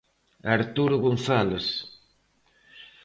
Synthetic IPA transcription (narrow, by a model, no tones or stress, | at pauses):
aɾt̪uɾʊɣonθalos